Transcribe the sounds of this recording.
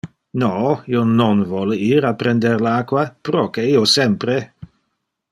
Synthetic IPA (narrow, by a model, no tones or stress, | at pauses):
noːiononvɔleiːɾapɾend̪eɾlaːkwapɾokeiosɛmpɾe